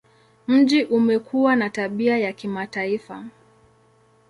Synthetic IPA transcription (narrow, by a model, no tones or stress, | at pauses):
m̩ʄiʔumɛkʰuwanataɓiajakimataifa